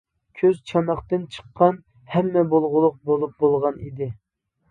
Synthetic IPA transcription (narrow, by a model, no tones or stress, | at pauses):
kʲʰøzt͡ʃʰɑmɑχt̪ɨnt͡ʃʰə̥qːɑn | hɛmːɛbolˠʁʊlˠʊq̚bolˠup̚bolˠʁɑnḭd̪ɪ